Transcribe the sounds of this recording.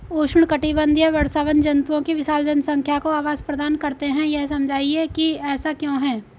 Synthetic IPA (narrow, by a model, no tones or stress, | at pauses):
oːʃʊɽ̃kɐʈibə̃nd̪ʱjəʋɐɽsaːʋənd͡ʒɐnt̪uõkiʋɪʃaːld͡ʒənsɐ̃ŋkʰjakoaːʋaːzpɾɐd̪aːnkɐɾt̪eɦɛ̃jɛɦsɐmd͡ʒʱaːiekiɛːsakjõːɦɛ̃ː